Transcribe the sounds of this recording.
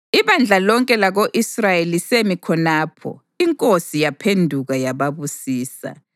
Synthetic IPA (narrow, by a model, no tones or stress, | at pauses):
iβand͡ɮʱalɔŋkʼɛlaɣoʔisrajelisemikʰɔnaːpʰɔ̰ | iŋkʼosijapʰendʱuɣajaβaβusiːsa̰